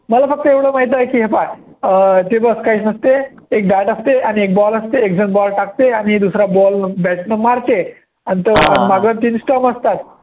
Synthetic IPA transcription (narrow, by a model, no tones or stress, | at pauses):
məlafək̚t̪əeʋɽomaɦit̪ajkiːɦepa | ət̪ebəskaiːsnəst̪eːk̚ɖaʈast̪eañiek̚bɔləst̪eek̚d͡zənbɔlʈak̚t̪eañid̪usɾabɔlbɛʈnəmaɾt̪e | anit̪əamaɡət̪iːnsʈɔməst̪at̪